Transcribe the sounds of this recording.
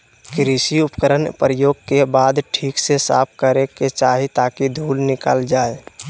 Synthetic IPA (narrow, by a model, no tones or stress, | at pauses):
kɾisiʊpəkəɾənpɾəjoːɡ̚kebaːd̪ʈʰiːksesa̰ːp̚ʰkəɾeket͡ʃaːɦit̪aːkid̪ʱuːlnɪka̰ːld͡ʒaːe